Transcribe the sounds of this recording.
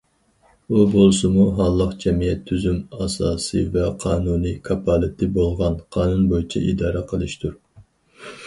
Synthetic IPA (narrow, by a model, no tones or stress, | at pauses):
ubolˠsɨmuɦɑlˠːəqd͡ʒɛmijɛt̪ʰːyzymɑsɑːsɨvɛqʰɑːnunikʰɑpʰɑlˠɪt̪ʰɪbolˠʁɑnqʰɑːnunbojit͡ʃʰɛ̰ʔid̪ɑːɾɛqʰəlˠɨʃt̪ʰuɾ